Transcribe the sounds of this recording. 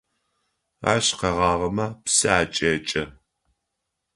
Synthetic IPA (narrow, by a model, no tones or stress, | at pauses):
a̰ːɕqɐʁɑːʁɐmɐpsɐaːt͡ʃʼeːt͡ʃʼɐ